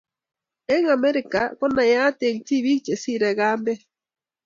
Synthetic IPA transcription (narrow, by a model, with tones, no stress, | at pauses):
e˦ŋa˨mɛ˦ɾɪ˨ka˨kɔ˦na˨ja˦te˨ŋti˦βi˦kt͡ʃe˨si˦˨ɾɛ˨ɣaː˦mbɛ˦